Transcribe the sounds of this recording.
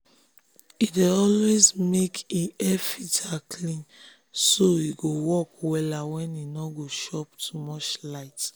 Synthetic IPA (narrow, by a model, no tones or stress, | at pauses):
ideɔlwezmekʰiɛfitakʰlĩn | soiɡowɔkwɛlawɛ̃ninɔɡoʃɔptʰumɔt͡ʃlaɪt